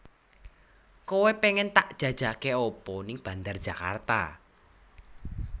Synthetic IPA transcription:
kowepeŋɛnt̪aʔd̥ʒ̥ä̤d̥ʒ̥a̤keopɔnɪŋb̥ä̤nd̪ard̥ʒ̥a̤ka̰rt̪a̰

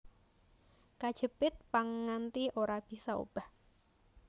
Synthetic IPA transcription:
kad̥ʒ̥ə̤pɪt̪̚paŋŋant̪ioɾab̥i̤sao̰b̥a̤h

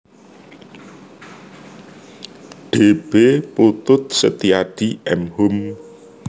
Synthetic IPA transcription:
ɖ̥eb̥eput̪ʊt̪̚sət̪iaɖ̥iɛmhʊm

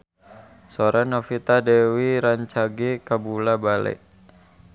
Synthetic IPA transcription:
soɾanofit̪adɛwiɾaɲt͡ʃaɡikabulabalɛ̰ʔ

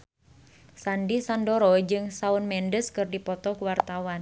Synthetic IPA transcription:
sandisandoɾɔd͡ʒɨŋsaunmɛndəskɨrdipɔt̪ɔkuwart̪awan

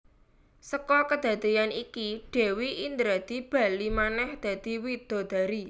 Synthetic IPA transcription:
səkɔkəd̪̥ä̤d̪̥e̤janikiɖ̥e̤wiind̪ɾad̪̥i̤b̥a̤limanɛhd̪̥ä̤d̪̥i̤wid̪̥o̤d̪̥a̤ɾi

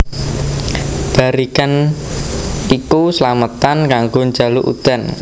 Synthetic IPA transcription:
b̥a̤ɾikan | ikusəlamət̪ankaŋɡoɲd͡ʒa̤luʔṵd̪̥a̤n

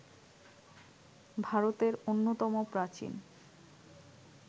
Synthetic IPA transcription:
bʱaɾot̪eɾonːot̪ɔmopɾat͡ɕḭn

